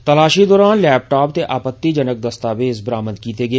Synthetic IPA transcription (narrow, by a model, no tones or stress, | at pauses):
t̪əlaːʃiːd̪ɔːɾaːnlɛːp̚ʈaːp̚t̪eːʔaːpət̪ːiːd͡ʒənək̚d̪əst̪aːbeːzbəɾaːməd̪kiːt̪eːɡeː